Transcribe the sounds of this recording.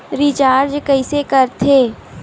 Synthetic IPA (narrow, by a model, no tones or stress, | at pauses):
ɾɪt͡ʃaːɾd͡ʒkəɪsekɐɾt̪ʰeː